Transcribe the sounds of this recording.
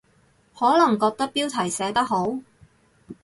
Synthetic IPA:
hɔː˨˥lɐ˨˩ŋkɔː˧k̚t̪ɐ˥k̚piː˥wt̪ʰɐ˨˩jsɛː˨˥t̪ɐ˥k̚ho˨˥w

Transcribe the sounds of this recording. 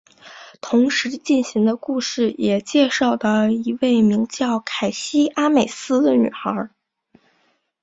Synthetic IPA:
t̪ʰʊ˧˥ŋʂɻ̩˧˥t͡ɕi˥˩nɕi˧˥ŋd̪ə˧ku˥˧ʂɻ̩˥˩jɛ˨˩t͡ɕjɛ˥˧ʂɑ˥˩ʊd̪ə˩i˧˥we˥˩ɪmi˧˥ŋt͡ɕjɑ˥˩ʊkʰa˨˩ɪɕi˥ʔa˥me˨˩ɪsɹ̩˥d̪ə˨ny̰˨˩xə˞˧˥

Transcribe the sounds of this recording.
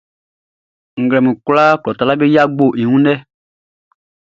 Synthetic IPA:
ŋ̩˨ɡlɛ˨mĩ˨kla˦klɔ˨ta˨la˦be˦ja˦ɡ͡bo˦˨ʔi˨ŋũ˦nɛ˦

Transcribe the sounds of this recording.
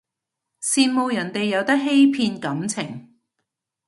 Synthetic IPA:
siː˧nmo˨˧wjɐ˨˩nt̪e˨jːɐ˨˧wt̪ɐ˥k̚ɦe˥jpʰiː˧nkɐ˨˥mt͡sʰɪ˨˩ŋ

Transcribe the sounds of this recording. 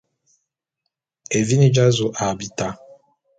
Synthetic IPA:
e˨vi˦ni˦d͡ʒa˦zo˨ʔa˨bi˨ta˦

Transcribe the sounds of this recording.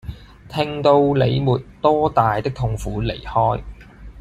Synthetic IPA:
t̪ʰɪ˧ŋt̪o˧wle˨˧jmuː˨˩t̚t̪ɔː˥t̪aː˨jt̪ɪ˥k̚t̪ʰʊ˧ŋfuː˨˥le˨˩jhɔː˥j

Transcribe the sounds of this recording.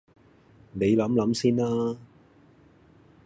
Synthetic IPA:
ne˨˧jlɐ˨˥mlɐ˨˥msiː˥nlaː˥

